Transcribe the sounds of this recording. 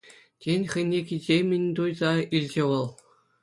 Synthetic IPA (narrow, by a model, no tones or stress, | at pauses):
tʲenʲχʲɘ̆jnʲːekʲizʲemʲɘ̆nʲt̪ujzɑilʲd͡ʑĕʋɤ̆lˠ